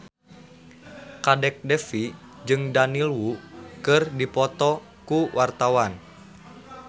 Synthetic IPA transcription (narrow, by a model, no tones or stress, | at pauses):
kadɛk̚dɛfi | d͡ʒɨŋdanilwukɨrdipɔt̪ɔ | kuwʔart̪awan